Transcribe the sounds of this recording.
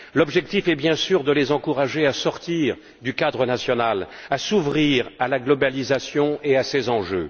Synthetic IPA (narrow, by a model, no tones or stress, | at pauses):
lɔbʒɛk̚t̪ifɛbjɛ̃syʁd̪əlezɑ̃kuʁaʒeasɔʁt̪iʁ | d̪ykad̪ʁənasjɔnalasuvʁiʁalaɡlɔbalizasjɔ̃easezɑ̃ʒø̰